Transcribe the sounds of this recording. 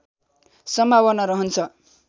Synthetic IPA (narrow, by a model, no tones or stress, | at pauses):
sʌmʱawʌnaɾʌɦʌnt͡sʰʌ